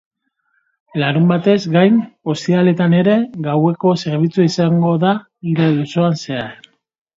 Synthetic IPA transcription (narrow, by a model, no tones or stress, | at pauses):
laɾumbat̪e̞zɡajno̞st̪iale̞t̪ane̞ɾe̞ɡawe̞ko̞se̞ɾβ̞it͡suaisaŋɡo̞ða | iɾaðusoanse̞a